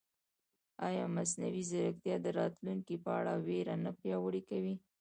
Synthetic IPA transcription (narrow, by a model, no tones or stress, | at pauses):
ɑjɑmas̬nawizaɾəkt̪jɑd̪əɾɑt̪luŋkipəaɽaweɾanapjɑwəɽikawi